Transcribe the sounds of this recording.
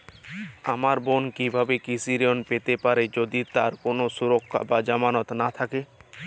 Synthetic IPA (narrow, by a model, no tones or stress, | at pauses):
amaɾbonkibʱabekisiɾionpet̪epaɾed͡ʑod̪it̪aɾkonosuɾokʰːa̰bad͡ʑamanot̪nat̪ʰake